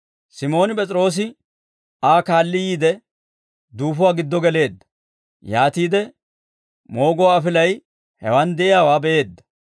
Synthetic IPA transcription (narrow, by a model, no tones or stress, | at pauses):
sɪmo̞ːnɪpʼɛt͡sʼɾo̞ːs̬ɪ | aːkaːlːɪjiːd̪ɛ | d̪uːfʊwaːɡɪd̪ːɔɡɛle̞ːd̪ːɐ̥ | jaːt̪iːd̪ɛ | mo̞ːɡʊwaːfɪlɐj | hɛ̰wɐnd̪ɛʔɪjaːwaːbɛʔe̞ːd̪ːɐ̥